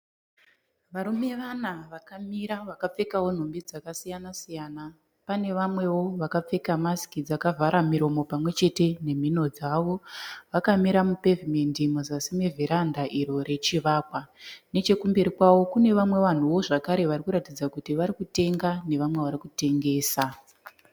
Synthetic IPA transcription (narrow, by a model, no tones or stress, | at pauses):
ʋaɾume̞ʋanaʋakamiɾaʋakap͡fe̞kawo̞n̤ombid͡zakasijanasijaːna | pane̞ʋamwe̞wo̞ʋakap͡fe̞kamasi̥kid͡zakavʱaɾamiɾo̞mo̞pamwe̞t͡ʃe̞te̞ne̞m̤ino̞d͡zaʋo̞ʋakamiɾamupe̞vimendimuzasimevʱiɾandaʔiɾo̞ɾe̞t͡ʃiʋaːkwane̞t͡ʃe̞kumbeɾikwawo̞kune̞ʋamwe̞ʋan̤uwo̞ʐakaɾe̞ʋaɾikuɾatid͡zakutiʋaɾikute̞ŋɡane̞ʋamwe̞ʋaɾikute̞ŋɡe̞ːsa